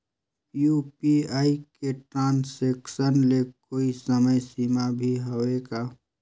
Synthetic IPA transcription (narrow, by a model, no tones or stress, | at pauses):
jupiaːikeʈɾãːnseːksənlekoːisəməjsiːmabʱiɦoeːɡaː